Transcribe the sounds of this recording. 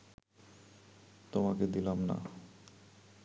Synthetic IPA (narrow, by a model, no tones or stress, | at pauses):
t̪omaked̪ilamna̰